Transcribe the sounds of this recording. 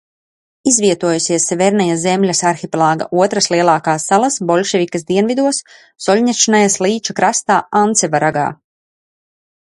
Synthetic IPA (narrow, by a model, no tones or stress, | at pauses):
izviɛt̪uɔjusʲiɛsːɛvɛɾnajazemlʲasaɾxipʲlˠaːɡa̰ʔuɔt̪ɾaslˠiɛlˠɑːkaːsːalˠasbɔlʲʃɛvʲikasd̪iɛnvid̪uɔsː | ɔlʲɲʲaʃanajaslˠiːt͡ʃakɾast̪aːant̪sɛvaɾaɡa̰ː